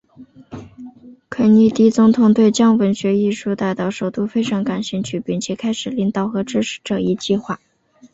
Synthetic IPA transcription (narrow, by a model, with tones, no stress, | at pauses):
kʰə˧˥˩ni˥˩t̪i˥t͡sʊ˧˥ŋt̪ʰʊ˨˧˩ŋt̪we˥˩ɪt͡ɕjɑ˥ŋwə˧˥nɕɥɛ˧˥i˥˧ʂu˥˧t̪a˥˩ɪt̪ɑ˨˥˩ʊʂo˨˩ʊt̪u˥fe˥ɪʈ͡ʂʰɑ˧˥ŋka˨˩nɕi˥˧t͡ɕʰy˥˩pi˥˩ŋt͡ɕʰjɛ˨˩kʰa˥ɪʂɻ̩˨˩li˥ŋt̪ɑ˥˩ʊxɤ˧˥ʈ͡ʂɻ̩˥ʂʰɻ̩̥˧˥ʈ͡ʂɤ˥˩i˧˥t͡ɕi˥˧xwa˥˩